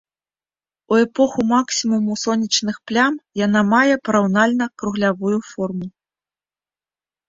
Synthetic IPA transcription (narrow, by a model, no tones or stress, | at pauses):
uɛpɔxumaksʲimumusɔnʲːit͡ʂnɨxplʲamjanamajɛpɐɾawnalʲnɐkɾuɣlʲavujufɔrmu